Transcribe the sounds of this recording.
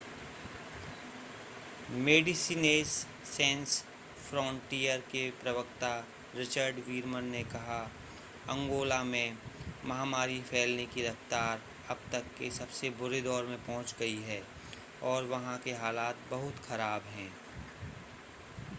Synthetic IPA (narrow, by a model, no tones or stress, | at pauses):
meːɖɪsiːneːzː | ɛ̃ːns | fɾɔ̃ːɳʈijəɾkepɾɐʋəkt̪a | ɾɪt͡ʃəɾɖʋiːɾmənːekɐɦa | ɐ̃ŋɡoːlamẽmɐɦaːmaːɾifʰɛːlnekiɾɐft̪aːɾ | ɐb̚t̪ɐkːesɐbsebʊɾed̪ɔːɾmẽpɔɦʊ̃t͡ʃɡɐiɦɛː | ɔːɾʋɐɦãkeɦaːlaːt̪̚bɐɦʊt̪xɐɾaːbɦɛ̃ː